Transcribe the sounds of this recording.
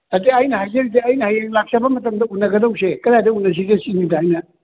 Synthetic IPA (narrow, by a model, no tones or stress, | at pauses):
ɐteɐjnɐhajzɐɾid̬eɐjnɐhajeŋlak̚sɐbɐmɐtɐmdɐunːɐɡɐdɐwsekɐɾadɐunːɐs̬izesinidaːjnɐ